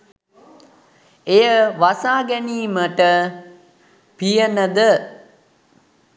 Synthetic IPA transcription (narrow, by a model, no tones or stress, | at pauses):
ejəʋasaːɡɛniːməʈə | pijənəd̪ə